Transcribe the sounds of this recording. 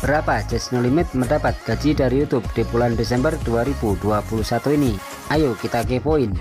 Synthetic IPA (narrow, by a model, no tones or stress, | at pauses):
b̥əɾapḁd͡ʒɛsnolimɪt̪̚mədapat̪̚ɡ̥a̤̥d͡ʒidaɾijut̪ʊp̚d̥epulandesɛmbərd̥uaɾibuduapuluhsat̪uini | ajukit̪ak̬epoɪn